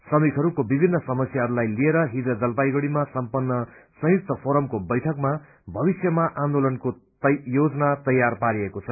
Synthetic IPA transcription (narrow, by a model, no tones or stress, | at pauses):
sʌmikʰɦʌɾukobibʱinːʌsʌmʌsjaɦʌɾulajlieɾʌɦid̪ʌd͡zʌlpajɡʌɽimasʌmpʌnːʌsʌ̃juk̚t̪ʰʌpʰoɾʌmkobʌjʈʰʌkma | bʱʌβisjʌmaʔãnd̪olʌnko | jod͡zʌnat̪ʌjːarpaɾiekot͡sʰʌ